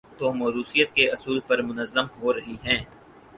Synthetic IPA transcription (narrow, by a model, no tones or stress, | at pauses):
t̪oːmɐɾuːsijət̪keɐsuːlpɐɾmʊnəzːəmɦoɾɐɦiɦɛ̃ː